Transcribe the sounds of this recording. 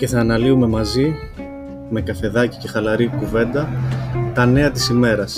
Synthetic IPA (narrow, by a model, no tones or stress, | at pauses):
ce̞θɐːnɐliume̞mɐzi | me̞kɐfe̞ðɐci̥ce̞xɐlɐɾikuve̞nd̪ɐt̪ɐne̞ɐt̪i̥sime̞ɾɐs